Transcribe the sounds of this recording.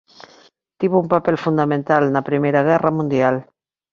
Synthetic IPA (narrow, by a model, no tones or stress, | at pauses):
t̪iβoumpapɛlfund̪amẽnt̪alnɐpɾimejɾaɣ̞ɛrɐmũnd̪jal